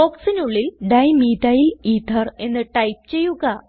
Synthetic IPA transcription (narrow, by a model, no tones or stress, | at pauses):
boːksinuɭːilɖɐjmiːtɐjlit̪ʰːɐre̞nːɨʈɐjp̚ɨt͡ɕe̞jːuɣɐ